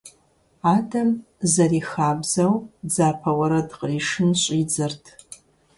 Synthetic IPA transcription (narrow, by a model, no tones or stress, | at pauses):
aːdɐm | zɐriːxaːbzɐwd͡zaːpʰɐwɐɾɐdqriːʂɨnɕʷʼid͡zɨrtʰ